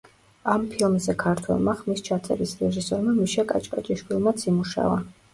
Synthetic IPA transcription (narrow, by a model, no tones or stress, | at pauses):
ampʰilˠmzɛkʰaɾt̪ʰwɛ̰lˠmaχmist͡ʃʰat̪sʰʼɛɾisɾɛʒisɔɾmamiʃakʼat͡ʃʼkʼat͡ʃʼiʃkilˠmat̪sʰimuʃa̰va